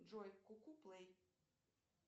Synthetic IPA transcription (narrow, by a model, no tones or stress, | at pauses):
d͡ʒɔjkːukuplej